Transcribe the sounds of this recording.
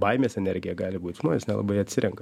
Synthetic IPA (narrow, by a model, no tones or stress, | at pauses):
bɐɪmʲeːsɛnʲɛɾʲɡʲɪjɛɡɑːlʲɪbuːt̪ʲʒmoːnʲeːsnʲɛlˠɐ̰bɐɪɐt̪ʲsʲɪɾʲɛŋkɐ